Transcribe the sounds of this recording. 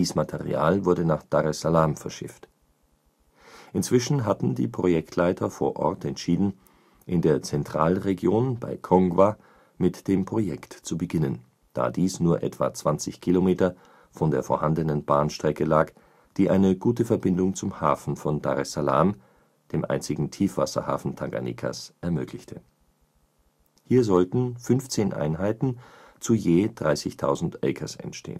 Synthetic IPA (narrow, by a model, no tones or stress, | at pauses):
iːsmatʰɛʁḭa̰ːlvʊɐdənaːχd̥aʁɛsalaːmfɛɐʃɪ̰ft | ʔɪnt͡sv̥ɪʃn̩ɦatn̩dḭːpʁ̥ojɛktʰlaɪtʰɐfoːɐʔɔ̰ɐtɛntʃiːdn̩ | ʔɪndeːɐt͡sɛntʁ̥aːlʁeɡjoːnba̰ɪkʰɔŋɡwa | mɪtd̥eːmpʁ̥ojɛktt͡subəɡɪnən | d̥a̰ːdiːsnuːɐʔɛ̰tv̥a̰ːt͡sv̥ant͡sɪçkʰilomeːtɐ | fɔndeːɐfoːɐhandənənbaːnʃtʁ̥ɛkəlaːk | d̥iːʔaɪnəɡuːtəfɛɐbɪndʊŋt͡sʊmhaːfn̩fɔnda̰ʁɛsala̰ːm | d̥eːmʔa̰ɪnt͡sɪɡŋ̩tʰiːfv̥asɐ̰ha̰ːfn̩tʰaɡa̰nḭkʰa̰sʔɛɐmøːkʰlɪçtʰə | hiːɐzɔltn̩fʏnft͡seːnʔa̰ɪnɦaɪtn̩ | t͡sujeːd̥ʁaɪsɪçtʰaʊzn̩tʔɛ̰kʰɐsɛ̰ntʃtʰḛːən